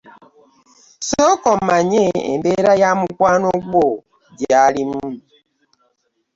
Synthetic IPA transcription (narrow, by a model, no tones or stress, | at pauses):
sɔkɔmaɲeḛmbeɾajamukwanoɡ͡bo | djaɾimu